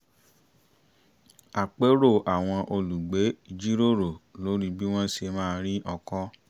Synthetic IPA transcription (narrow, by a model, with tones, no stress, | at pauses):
a˨k͡pe˨˦ɾo˦˨ʔa˨w̃ɔ̃˧ʔo˧lu˨ɡ͡be˨˦i˧d͡ʒi˦ɾo˦˨ɾo˨lo˨˦ɾi˦bi˦w̃ɔ̃˦ʃe˧mãː˦˧ɾi˦ʔɔ˧kɔ˦